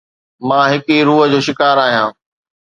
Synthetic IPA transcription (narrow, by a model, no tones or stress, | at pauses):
mãːɦɪkiɾuːɦə̆d͡ʑoːʃɪkaːɾaːɦijãː